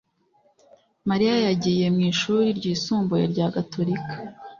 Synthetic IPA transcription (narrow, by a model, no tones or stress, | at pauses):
maɾijajaɟije̞mŋiːʃuɾiɾɟiːsuːmbuje̞̰ɾɟaːɡato̞ɾikḁ